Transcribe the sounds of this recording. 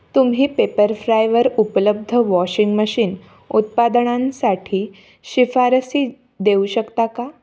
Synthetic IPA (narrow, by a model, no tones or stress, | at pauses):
t̪umɦiːpepəɾfɾajʋəɾupləb̚d̪ʱəʋɔɕiŋɡməɕiːn | ut̪̚pad̪əɳãnsaʈʰiː | ɕifaɾəsiː | d̪euɕəkt̪aka